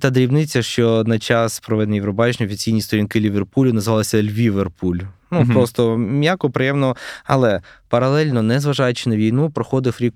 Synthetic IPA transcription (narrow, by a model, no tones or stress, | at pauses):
t̪ɑd̪ɾʲiwnɪt͡sʲːɐʃt͡ʃɔnɐt͡ʃɑspɾɔʋɛd̪nʲijiʋɾɔbɑt͡ʃɪnʲiɔfʲit͡sʲijnʲist̪ɔɾʲinkɪlʲiʋerpulʲʊnɐzʋɑlˠɐsʲɐlʲʋʲiʋerpʰulʲnuppɾɔst̪ɔmʲjakɔpɾejɛmnɔɔɐ̰lˠɛpɐɾɐlˠɛlʲnɔnɛzʋɐʒɑjʊt͡ʃɪnɐʋʲijnupɾɔxɔd̪ɪfɾʲik